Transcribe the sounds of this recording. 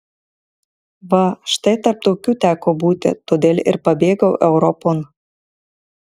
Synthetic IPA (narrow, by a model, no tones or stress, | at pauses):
βɑʃt̪ɐjt̪ɐrp̚t̪oːkʲuːt̪ʲæːkobuːt̪ʲɪ̰t̪od̪ʲeːlʲɪ̰rpɐbʲeːɡɐwʔɛʊɾopon